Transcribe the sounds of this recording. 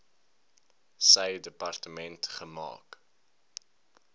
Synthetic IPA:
səjdəpɐrtəmɛntχəmɑ̰ːk

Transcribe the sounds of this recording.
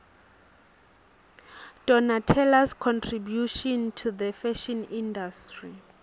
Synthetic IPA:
d̥ɔnatʰɛlaskʰɔ̃ntʰribjuʃɔ̃ntʰuðəfɛʃɛnĩndastri

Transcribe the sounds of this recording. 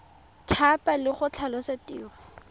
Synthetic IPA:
tʰapalɪχʊt͡ɬʰalɔsatʼiːwa

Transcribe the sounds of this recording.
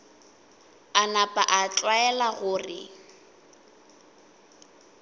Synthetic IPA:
anapʼaʔat͡ɬʼwaɛlaɣʊːrɪ̰

